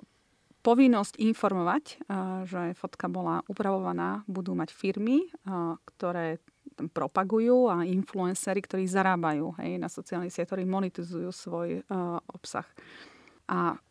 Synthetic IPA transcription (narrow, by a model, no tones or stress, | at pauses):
pɔʋinːɔscinfɔɾmɔʋacʒɛfɔt̪kabɔlaʔupɾaʋɔʋanaːbud̪uːmacfiɾmikt̪ɔɾɛː | t̪ampɾɔpaɡujuːainfluɛnsɛɾikt̪ɔɾiːzaɾaːbajuːɦɛ̰jnasɔt͡sialnɛsɪɛt̪ɔɾimɔnɛt̪izujuːsʋɔjʔɔpsa̰x | ʔa